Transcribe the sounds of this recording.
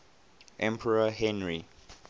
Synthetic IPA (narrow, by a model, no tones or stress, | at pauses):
ʔɛ̃mpʰɛɹaɦɛ̃nɹi